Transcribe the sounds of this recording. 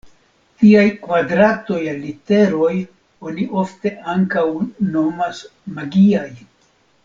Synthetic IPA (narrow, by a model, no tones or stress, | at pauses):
tiajkvadɾato̞jalite̞ɾo̞j | o̞niʔo̞fte̞ʔaŋkawno̞mas | maɡiaj